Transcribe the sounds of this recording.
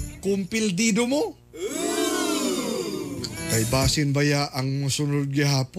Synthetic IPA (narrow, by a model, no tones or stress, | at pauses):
kʊmpɪld̪iːd̪omo | kɐjbaːsɪnbɐjaʔɐŋmɐsʊnod̪̚ɡɪɦaːp